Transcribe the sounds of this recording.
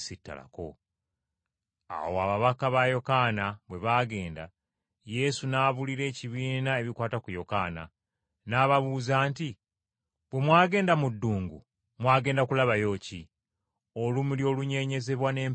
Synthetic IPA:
sitːa̰la̰ko̞̰ | a̰woaβaβakaβajo̞kanaβwe̞βaːɡe̞ːnda̰ | je̞sunaːβuliɾe̞ːciβiːnae̞βikwaːtakujo̞ka̰ːna̰ | naːβaβuːzaːnti | βwe̞mwaːɡe̞ːndamudːuːŋɡu | mwaːɡe̞ːndakulaβajo̞ːci | olumuljo̞ːluɲe̞ːɲe̞ze̞βwane̞ːm

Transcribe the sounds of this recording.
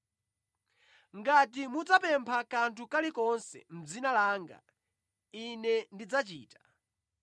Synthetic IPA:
ŋɡatimud͡zapɛmpʰakantʰukalikɔnsɛ̰m̩d͡zinalaːŋɡa̰ | inɛndid͡zat͡ʃiːtḁ

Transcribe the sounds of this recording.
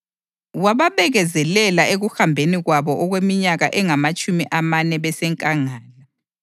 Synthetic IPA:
waβaβɛɣɛzɛlɛlaeɣuxambʱeniɣwaβɔʔɔɣwemiɲaɣaʔɛŋamat͡ʃʼumiʔamanɛβɛsɛŋkʼaŋaːla

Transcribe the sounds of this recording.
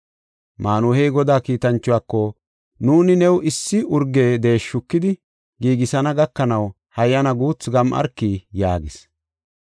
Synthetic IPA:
maːnuhejɡɔd̪aːkiːt̪ɐnt͡ʃːʊwaːkːɔ | nuːnɪnɛwɪsːɪʔʊɾɡe̞ːd̪e̞ːʃːʊkːɪd̪ɪ | ɡiːɡɪsɐnɐɡɐkːɐnɐw | hɐjːɐnɐɡuːt͡sɡɐmʔɐ̰ɾkːiːjaːɡɪs

